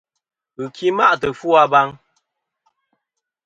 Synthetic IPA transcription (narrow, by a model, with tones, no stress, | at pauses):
ɨ˨kʰi˦ma˦˨ʔtə˨fu˦a˦ba˦ŋ